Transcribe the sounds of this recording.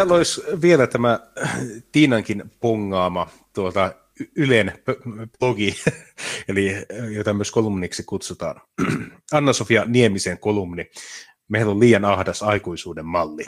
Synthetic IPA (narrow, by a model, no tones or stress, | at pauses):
ælːoisʋielæt̪æmæ | t̪iːnɑŋkinpoŋːɑːmɑt̪uot̪ɑ | ylenpploɡi | elijoit̪ɑmyøskolumniksikut̪sut̪ɑ̰ːn | ɑnːɑsofiɑniemiseŋkolumni | meilolliːjɑnɑhdɑsɑikuisuːdemmɑlːi